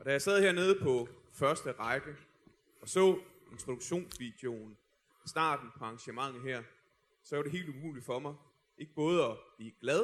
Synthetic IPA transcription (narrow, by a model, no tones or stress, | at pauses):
ɒ̽d̥æjɑɪsæð̞ˠheɐne̝ːð̞̩ˠəpʰɒ̽ | fɶɐsd̥əʁɑ̈ɪɡ̥ə | ɒ̽sɔ̰̽ː | e̝nt͡sʰʁo̝d̥u̥ɕo̝̰ːnsʋid̥e̝o̝n | sd̥ɑ̰̈ːd̥n̩pʰɒ̽ɑ̈ŋɕəmɑ̈ŋ̰̩ˠɦɛɐ̰ | sɒ̽ʋɐɾ̥e̝e̝̰ːld̥umṵːli̥fɒ̽mɑ̈ɪ | ʔe̝ɡ̥əb̥ɔ̽ːð̞ˠəɒ̽b̥liːɡ̥lɛðˠ